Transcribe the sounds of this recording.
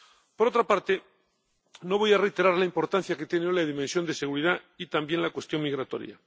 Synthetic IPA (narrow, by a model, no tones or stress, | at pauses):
poɾo̞t̪ɾapaɾt̪e | no̞βo̞jarejt̪e̞ɾaɾlaimpo̞ɾt̪anθjaket̪jeneojlaðimẽnsjo̞nd̪ese̞ɣuɾiða | it̪ambje̞nlakwe̞st̪jo̞ŋmiɣɾat̪o̞̰ɾja̰